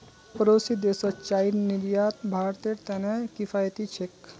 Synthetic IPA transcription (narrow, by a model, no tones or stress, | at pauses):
pəɾosid̪esət͡ʃaiɾniɾjaːt̪bʱaːɾt̪eɾt̪ɛnekifʰajt̪it͡ʃʰek